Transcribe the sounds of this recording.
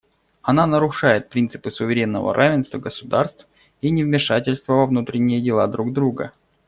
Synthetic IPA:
ɐnanəɾʊʂajɪt̪̚pɾʲint̪sɨ̥pɨsʊvʲɪɾʲe̞nːə̰və̰ɾʔavʲɪnst̪vəɡəsʊd̪arst̪f | inʲɪvmʲɪʂatʲɪlʲst̪vəvɐvnut̪ɾʲɪnʲːɪjədʲɪlˠad̪ɾuɡd̪ɾuɡə̰

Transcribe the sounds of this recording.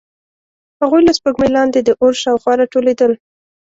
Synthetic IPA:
haɣujlaspəɡmelɑnd̪ed̪əʔoɾʃɑwxwɑɾɑʈoled̪əl

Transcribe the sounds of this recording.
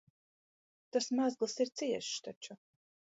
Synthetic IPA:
t̪asmazɡlˠsiɾt̪siɛʃt̪at͡ʃu

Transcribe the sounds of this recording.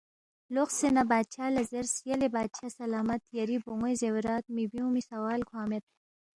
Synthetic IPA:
loxsenabaːd̪t͡ʃʰaːlɐzeɾsjɐlebaːd̪̚t͡ʃʰasɐlaːmɐt̪jɐɾiboŋɡojzewɾaːt̪̚mibiũmisɐwaːlkʰwaːmet̪̚

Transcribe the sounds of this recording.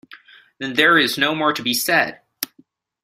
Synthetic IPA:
ðɨ̃nðə˞ɪznoʊmɔɹtɨbisɛd̥

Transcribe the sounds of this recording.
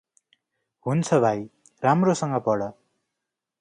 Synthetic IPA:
ɦunt͡sʰʌbʱaj | ramrosʌŋɡʌpʌɽʌ

